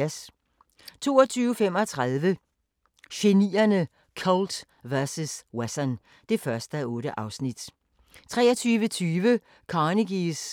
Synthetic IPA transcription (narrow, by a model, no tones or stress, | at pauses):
s | t͡sʰo̝̰ːɐɒt͡sʰyːʊfem̰ɒ̽t͡sʰʁaðˠʋə | ɕe̝niːɐnə | kʰɔld̥ | ʋæɐsuswesɐn | d̥e̝fɶɐsd̥əɔ̽ːɾəʔɑ̈ʊsnid̥ | t͡sʰʁɛːɐt͡sʰyːʋət͡sʰyːʋə | kʰɑniɡ̥is